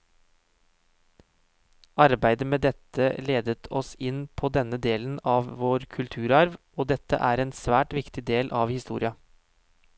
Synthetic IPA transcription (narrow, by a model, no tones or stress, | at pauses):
ɑɾbæɪd̪əmeːd̪ɛt̪əleːd̪ət̪ʰɔsɪnpʰoːd̪ɛnəd̪eːlən̩ɑːʋʋoːɾkʰʉlt̪ʰʉːɾɑɾʋ | oːd̪ɛt̪ə̰ʔæːɾeːnsʋæːʈʋɪkt̪ɪd̪eːlʔɑːʋhɪst̪ṵːɾɪɑ